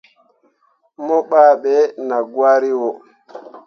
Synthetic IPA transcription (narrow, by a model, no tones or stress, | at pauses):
mɔɓaːɓɛnaɡwaɾiwɔ